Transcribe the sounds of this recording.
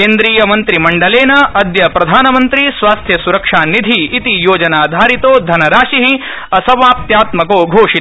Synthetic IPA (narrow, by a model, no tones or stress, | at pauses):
keːnd̪ɾiːjɐmɐnt̪ɾimɐɳɖɐleːnɐɐd̪jɐpɾɐd̪ʱaːnɐmɐnt̪ɾisʋaːst̪ʰjɐsuɾɐkʂaːnid̪ʱiːt̪ijoːd͡ʒɐnaːd̪ʱaːɾit̪oːd̪ʱɐnɐɾaːʂiɦi | ɐsɐʋaːp̚t̪jaːt̪mɐkoːɡʱoːʂit̪